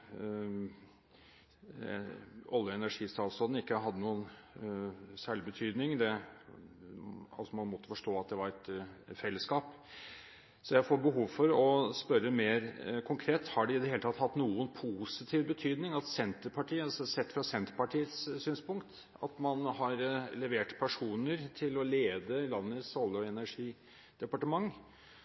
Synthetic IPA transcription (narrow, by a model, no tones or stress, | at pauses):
ɔlːjəɛnæʂiːst̪ʰɑːlst̪ɔd̪n̩ɪkːəɦɑd̪ːənuːən | sæːɭɪbət̪ʰyːd̪nɪŋd̪ɛ | ɑ̰sɔmɑnmɔt̪ːəfɔʂʈoːɑt̪̚d̪ɛʋɑɾɛt̪fɛlːəskɑːp | sɔjæɪfoːbəɦuːʋfɔɾɔspœɾːəmeːɾkʰʊŋkʰɾeːt̪hɑɖɛɪd̪ɛheːlət̪ʰɑt̪ːhɑt̪ːnuːənpʰusɪt̪ʰiːʋbət̪ʰyːd̪nɪŋɑt̪sɛnt̪əɾpʰɑʈʰiːəɑsɔsɛt̪ːfɾɑsɛnt̪əɾpɑʈʰiːət̪ssyːnspʊŋkt̪ | ɑ̰t̪mɑnhɑɾlɛʋeːʈpʰæʂuːnəɾt̪ʰɪlɔleːd̪əlɑnːət̪sɔlːɔɛnæʂiː | d̪̥ɛpɑʈəmɑŋː